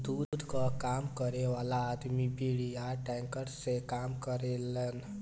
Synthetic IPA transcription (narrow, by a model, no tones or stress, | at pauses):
d̪uːdd̪ʱkakaːmkəɾeʋaːlaːd̪mibiɽijaʈɛ̃ːŋkəɾsekaːmkəɾelən